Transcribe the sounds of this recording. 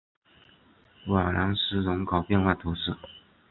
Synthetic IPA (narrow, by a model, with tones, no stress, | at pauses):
wa˨˩lɑ˧˥ŋʂɻ̩˥lʊ˧˥ŋkɑ˨˩ʊpjɛ˥˧nxwa˥˩t̪ʰu˧˥ʂɻ̩˥˩